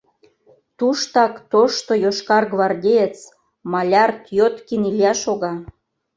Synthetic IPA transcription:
t̪uʃt̪ɑkt̪oʃt̪ojoʃkɑrɡβɑrd̪ʲejet͡s | mɑlʲɑrt̪jot̪kinilʲjɑʃoɣɑ

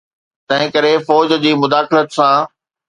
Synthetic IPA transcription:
t̪ɐ̃ɦɪ̃kɐɾefɔːd͡ʑd͡ʑiːmʊd̪aːxɪlət̪sã

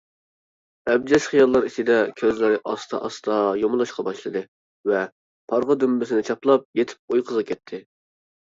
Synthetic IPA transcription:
ɛb̚d͡ʒɛʃχijɑlˠːɑɾit͡ʃʰid̪ɛkʲʰøzlɪɾɪʔɑst̪ʰɑ̰ʔɑst̪ʰɑjomɨlˠɑʃqɑbɑʃlˠɨd̪ɨ | vɛ | pʰɑɾʁəd̪ymbɪsɪnɪt͡ʃʰɑplˠɑp̚jet̪ʰɪ̥p̚ojqʰəzʁɑkʲʰɛt̪ʰːɪ

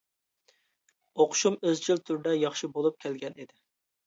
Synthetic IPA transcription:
oqʰʃumøzd͡ʒilt̪ʰyɾd̪ɛjɑχʃibolˠup̚kʲʰælɡʲɛnid̪ɪ

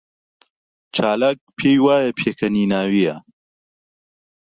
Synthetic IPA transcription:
t͡ʃʰaːlak̚pʰeːjwaːjɐpʰeːkʰɐniːnaːwijɐ

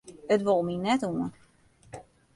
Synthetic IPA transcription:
ətʋolˠminɛtuən

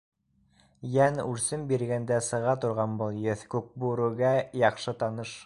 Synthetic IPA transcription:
jænʉɾsɘmbiɾɡænd̪æsɤ̆ʁɑt̪ŏɾʁɑnbɤlˠjɘθkʉk̚buɾuɡæjɑχʃɤt̪ɑnɤʃ

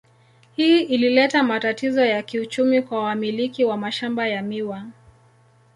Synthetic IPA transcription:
hiːʔililɛtamatatizɔjakiut͡ʃumikwawamilikiwamaʃambajamiwa

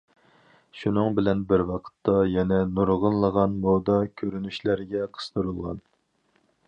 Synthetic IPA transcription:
ʃunɨŋbɪlɛnbɪɾwɑqʰə̥t̪ʰːɑjɛnɛnuɾʁənlˠəʁɑnmod̪ɑkʲʰøɾynyʃlæɾɪɡʲɛqʰə̥st̪əɾulˠʁɑ̰n

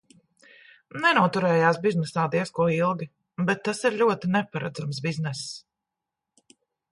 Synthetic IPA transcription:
nɛnuɔt̪uɾɛːjaːsbiznɛsaːd̪iɛskuɔilˠɡʲi | bɛt̪ːasiɾʎʲuɔt̪inɛpaɾa̰d̪zamsbiznɛs

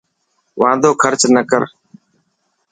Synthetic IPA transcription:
ʋãːnd̪ʱoːkʰəɾt͡ʃnəkəɾ

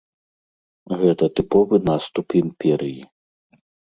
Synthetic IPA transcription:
ɣɛt̪ɐt̪ɨpɔvɨnast̪upimpʲɛɾɨji

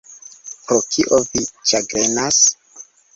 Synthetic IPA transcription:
pɾokʰiʔovit͡ʃaɡɾenas

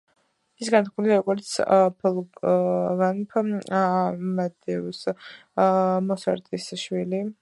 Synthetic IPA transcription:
isɡant̪̚χʰmuliaɾɔɡɔɾt̪sʰpʰɔlˠ | vanpʰ | mad̪ɛvs | mɔsa̰ɾt̪ʼisʃwili

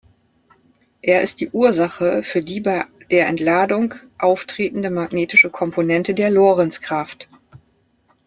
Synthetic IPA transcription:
ʔeːɐʔɪst̚d̥iːʔuːɐzaχəfyːɐdiːbaɪd̥eːɐʔɛ̰ntlaːdʊŋk | ʔaʊftʁ̥eːtn̩dəmaɡneːtɪʃəkʰɔmpʰonɛntədeːɐloːʁɛnt͡skʁ̥aft

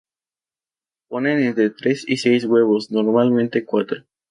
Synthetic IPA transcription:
po̞nenent̪ɾet̪ɾe̞sisejs̬ɣwe̞β̞o̞snoɾmalmẽnt̪e̞kwat̪ɾo

